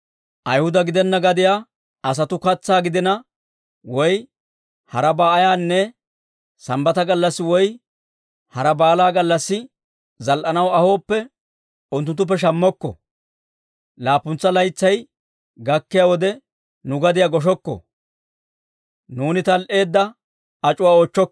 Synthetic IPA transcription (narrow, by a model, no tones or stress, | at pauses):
ʔɐjhʊd̪ɐɡɪd̪ɛnːɐɡɐd̪ɪjaː | ɐs̬ɐt̪ʊkɐt͡sːaːɡɪd̪ɪnɐ | wɔj | hɐɾɐbaːɐjaːnːɛ | sɐmbɐt̪ɐɡɐlːɐsːɪwɔj | hɐɾɐbaːlaːɡɐlːɐsːɪ | zɐlʔɐnɐwɐho̞ːpːɛ | ʊnt̪ʊnt̪ːʊp̬ːɛʃ̬ɐmːɔkːɔ̰ | laːpʊnt͡sːɐlɐjt͡sːɐj | ɡɐkːɪjaːwɔd̪ɛ | nʊɡɐd̪ɪjaːɡɔʃ̬ɔkːɔ̰ | nuːnɪt̪ɐlʔe̞ːd̪ːɐ | ɐt͡ʃʼʊwaːoːt͡ʃːɔk